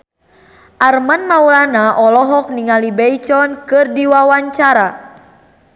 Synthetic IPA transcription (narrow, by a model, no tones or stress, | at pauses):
ʔarmanmaulanaʔɔlɔɦɔk̚niŋalibɛjt͡ʃɔnkɨrdiwawaɲt͡ʃaɾa